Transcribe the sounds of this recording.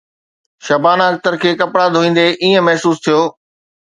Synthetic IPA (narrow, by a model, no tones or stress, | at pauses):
ʃɐbaːnaːɡ̚t̪əɾkʰeːkɐpɽad̪ʱoːĩːn̆d̪eʔiːə̃mɐɦsuːst̪ʰijoː